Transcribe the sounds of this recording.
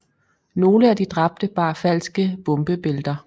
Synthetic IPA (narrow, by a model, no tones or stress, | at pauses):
no̝ːləæd̥id̥ʁɑ̈b̥̚d̥əb̥ɑ̈ːfæl̰sɡ̥əb̥ɔ̽mb̥əb̥e̝ld̥ɐ